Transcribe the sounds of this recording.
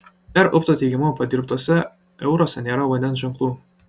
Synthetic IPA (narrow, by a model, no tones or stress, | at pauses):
ɛɾʊpt̪oːt̪ʲɛɪɡʲɪmʊpɐd̪ʲɪɾp̚t̪uɔsʲɛ | ɛʊɾoːsʲɛnʲeːɾɐʋɐnd̪ʲɛnsʒʲɪŋklˠuː